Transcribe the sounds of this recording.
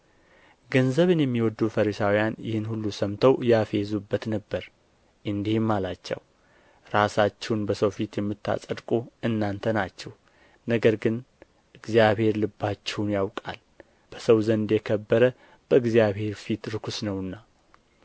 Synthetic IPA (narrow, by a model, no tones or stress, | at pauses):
ɡənzəβɨnjɛmːiwɔd̪ːufəɾisawijanjɪhɨnhulːusəmt̪ʰəwjafezubːət̪nəbːəɾ | ʔɨnd̪ihmːalat͡ʃːɛ̰w | ɾasat͡ʃːɛnbəsəwfit̪jɛmːɨt̪ːa̰sʼəd̪kʼoɨnːant̪ʰənat͡ʃːɛw | nəɡəɾɡɨn | ʔɨɡzijaβhe̞ɾlɨbːat͡ʃːɛwnjawkʼa̰l | b̥əsəwzənd̪jɛkʰəbːəɾə | b̥əɨɡzijaβhe̞ɾfit̪ɾɨkʰusnəwɨnːa